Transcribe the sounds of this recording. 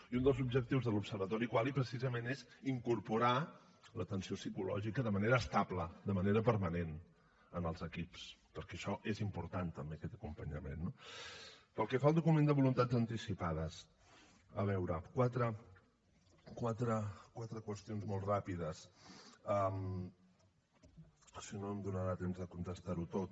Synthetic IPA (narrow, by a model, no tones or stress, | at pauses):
iund̪əlˠzubʒək̚t̪iwzðəlupsəɾβət̪ɔɾikwalˠipɾəsizəmeneziŋkuɾpuɾa | lət̪ənsiosikulɔ̰ʒikəðəməneɾəːst̪apləd̪əməneɾəpəɾmənen | ənəlˠzəkipspəɾkɛʃɔʔezimpuɾt̪ant̪əmbeəkɛt̪əkumpəɲəmḛnːo | pəlˠkɛfalˠd̪ukumend̪əβulunt̪ad͡zənt̪isipaðəs | ə̰βɛwɾəkwat̪ɾə | kwat̪ɾəkwat̪ɾəkwəst̪ionzmolˠtrapiðəs | əm | sinoəmd̪unəɾat̪emzðəkunt̪əst̪aɾut̪ot̪